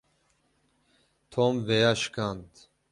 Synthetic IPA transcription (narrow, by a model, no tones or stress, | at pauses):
t̪ʰomvejaʃkʰant̪